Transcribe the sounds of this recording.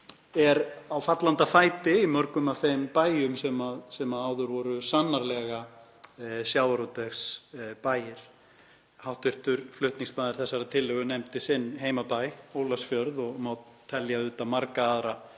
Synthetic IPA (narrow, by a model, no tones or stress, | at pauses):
ɛɾawfat̪lant̪afaːjt̪ɪimœɾkʏmav̥θejmpaːjʏmsɛmaðsɛmaaːwðʏɾvɔɾʏsanːaɾlɛɣa | sjaːwaɾot̪ɛxspaːjɪɾ̥ | hawht̪vɪr̥t̪ʏɾflʏht̪niŋsmaːðɪɾ̥θɛsːaɾat̪ʰɪlːʏɣʏnɛmt̪ɪsɪnːɦeːjmapajoːwlasfjœɾðɔɣmawt̪ʰːɛljaʏːt̪amaɾkaːðɾa